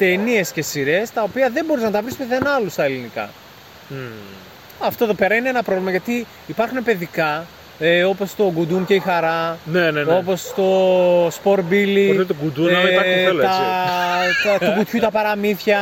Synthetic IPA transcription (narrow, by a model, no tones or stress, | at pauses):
t̪e̞nie̞sce̞siɾe̞st̪ɐopiɐðe̞mbo̞ɾiznɐt̪ɐvɾispeθenɐlust̪ɐelinikɐ̰ | ɐft̪o̞eðo̞pe̞ɾɐineenɐpɾovlimɐʝɐt̪i | ipɐɾxune̞pe̞ðikɐ | o̞po̞st̪o̞ɡud̪unce̞ixɐɾɐneneo̞po̞st̪o̞spo̞ɾbiliot̪et̪oɡud̪unɐɐɐelɐɐ | ukut̪çut̪ɐpɐɾɐmiθçɐ